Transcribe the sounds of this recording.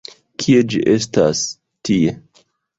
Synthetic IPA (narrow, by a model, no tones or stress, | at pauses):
kʰied͡ʒiʔe̞stas | tie